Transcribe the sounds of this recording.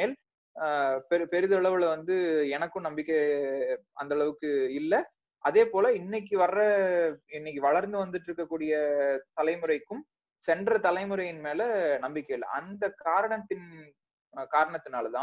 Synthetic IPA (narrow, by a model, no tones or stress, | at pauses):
eːl | pɛɾɯpɛɾɯðɐɐɭɐʋɯɭʋɐnd̪ɯɛnɐkːɯmnɐmbɪkːɐ | ʔɐ̰nd̪ɐɭɐʋɯkːɯɪlːɐ | ʔɐðeːpoːlɐɪnːɐk̬ːɯʋɐrɐɪnːɪk̬ːɯʋɐɭɐɾnd̪ɯʋɐnd̪ɯʈːɪɾɯkːɐkːuːɽɪjɐt̪ɐlɐɪmɯɾɐɪkːɯm | sɛɳɖrɐt̪ɐlɐɪmɯɾɐjɪnmeːlɐnɐmbɪkːɐɪlːɐ̰ʔɐ̰nd̪ɐkaːɾɐɳɐt̪ːɪn | kaːɾɐɳɐt̪ːɯnaːlt̪ãː